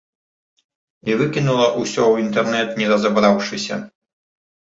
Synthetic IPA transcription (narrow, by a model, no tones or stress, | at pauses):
iʋɨkʲinulˠɐʔusʲɔuint̪ɛrnɛt̪nʲɛd̪ɐzɐbɾawʂɨsʲɐ̰